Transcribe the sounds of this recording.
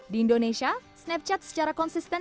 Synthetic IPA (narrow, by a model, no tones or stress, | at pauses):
diindoneʃiasnɛp̚t͡ʃɛt̪̚sə̥t͡ʃaɾakɔnsist̪ɛ